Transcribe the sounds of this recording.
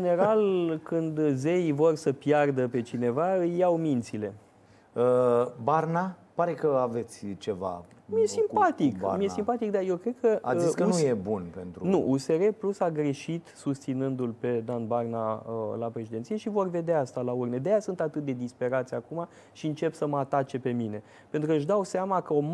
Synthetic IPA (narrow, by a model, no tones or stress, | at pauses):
d͡ʒene̞ɾalkɨnd̪ze̞jvo̞rsəpjard̪əpe̞t͡ʃine̞vaɨjːawmint̪sile̞ | əbarnapaɾe̞kəave̞t̪sʲt͡ʃe̞va̰mijesimpat̪ika̰mije̞simpat̪ik̚d̪ajewkɾe̞d̪̚kəaziskənujebunpent̪ɾunuʔuse̞ɾe̞plusaɡɾe̞ʃit̪sust̪sinɨnd̪ulpe̞d̪anbarnaəlapɾe̞ʃid̪ent̪sije̞ʃivo̞rve̞d̪eaast̪alaurned̪ejasunt̪at̪ɨt̪̚d̪e̞d̪ispe̞ɾat̪sʲakuma | ʃiɨnt͡ʃe̞psəməat̪at͡ʃe̞pe̞mine̞ | pe̞nt̪ɾukəʃd̪awseamakəo